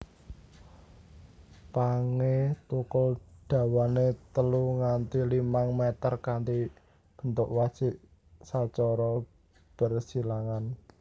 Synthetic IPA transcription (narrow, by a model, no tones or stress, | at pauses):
paŋet̪ukʊld̥ä̤wanet̪əluŋant̪ilimaŋmɛt̪ərkant̪i | b̥ə̤nt̪ʊʔwḁt͡ʃɪʔ | sat͡ʃɔɾɔ | b̥ə̤rsilaŋan